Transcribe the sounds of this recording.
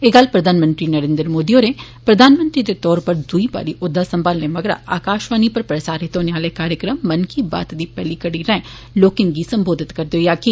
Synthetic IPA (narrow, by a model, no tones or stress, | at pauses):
eːɡəlpɾəd̪ʱaːnmə̃nt̪ɾiːnəɾẽːnd̪əɾmoːd̪iːoːɾeː | pɾəd̪ʱaːnmə̃nt̪ɾiːd̪et̪ɔːɾpəɾd̪ʊiba̰ːɾiːʔʊd̪ʱːaːsə̃mbaːlneːməɡɾa̰ːa̰ːkaːʃʋaːniːpəɾpɾəsaːɾɦɪt̪oːneaːleːkaːɾjəkɾəmːənkʰiːba̰ːt̪d̪iːpɛːliːkəɽiːɾɛ̃ɛ̃ | loːkɪ̃ŋɡɡiːsə̃mboːd̪ʱɪt̪kɐɾd̪eoːjaːkɪ